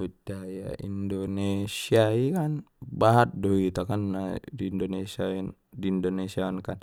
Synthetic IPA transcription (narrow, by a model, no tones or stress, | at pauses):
ud͡ʒaja̰ḭndɔnesiaikan | baɦat̪̚dɔit̪akanːadiːndɔnesia | diːndɔnesiaɔnkan